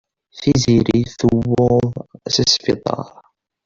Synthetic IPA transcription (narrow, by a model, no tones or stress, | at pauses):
θiziɾiθuwːʊðsəsfit̪ˤɑ̰ɾˤ